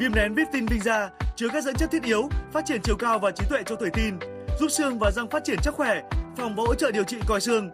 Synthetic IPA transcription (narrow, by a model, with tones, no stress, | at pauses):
vi˧əmnɛ˨˦nvi˦˥p̚t̪i˧nvï˧ŋ̟zaː˧t͡ɕɨ˧əkaː˦˥k̚zə̰˧˥nt͡ɕə˦˥t̪̚ʰʔi˨˦əwfaː˦˥t̚t͡ɕi˧˩ənt͡ɕi˨˩əwkaː˧wvaː˨˩t͡ɕi˨˦t̪wḛ˧˨t͡ɕɔ˧t̪ʰə˨˧˩jt̪i˧n | zu˦˥p̚sɨ˧əŋvaː˨˩za˧ŋfaː˦˥t̚t͡ɕi˧˩ənsɨ˦˥t̚xwɛ˧˩fɔ˨˩wŋ͡mvaː˨˦ho̰˧˥t͡ɕə̰ː˧˨ɗi˨˩əwt͡ɕḭ˧˨kɔ˨˩jsɨ˧əŋ